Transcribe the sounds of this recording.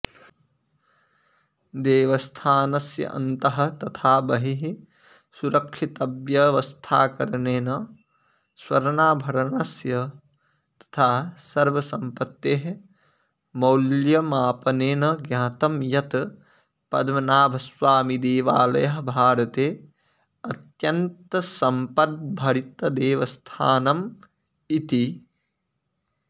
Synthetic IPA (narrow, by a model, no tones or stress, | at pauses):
d̪eːʋɐst̪ʰaːnɐsjɐ̰ʔɐ̰nt̪ɐɦɐ̆t̪ɐt̪ʰaːbɐɦiɦi | suɾɐkʃit̪ɐbjɐʋɐst̪ʰaːkɐɾneːnɐ | swɐɾnaːbʱɐɾɐnɐsjɐ | t̪ɐ̥t̪ʰaːsɐɾʋɐsɐmpɐt̪ːeːɦ | mɐwljɐmaːpɐneːnɐɡjãːt̪ɐmjɐt̪ | pɐd̪mɐnaːbʱɐsʋaːmid̪eːʋa̰ːlɐ̰jɐɦbʱaːɾɐt̪eː | ɐt̪jɐnt̪ɐsɐmpɐt̪̚bʱɐɽit̪ɐd̪eːʋɐst̪ʰaːnɐm | it̪i